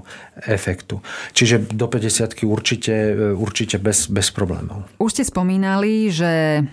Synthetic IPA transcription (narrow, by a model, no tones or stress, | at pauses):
ɛfɛkt̪ut͡ʃiʒɛd̪ɔpɛɟɛsɪat̪kiuɾt͡ʃicɛuɾt͡ʃicɛbɛsbɛspɾɔblɛ̰ːmɔ̰ʊuʃscɛspɔmiːnaliʒɛ